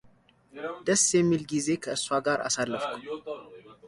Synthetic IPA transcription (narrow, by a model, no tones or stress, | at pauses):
d̪̥əsːjɛmːilɡize̞kʰəɨswaɡaɾa̰salːəfkʰu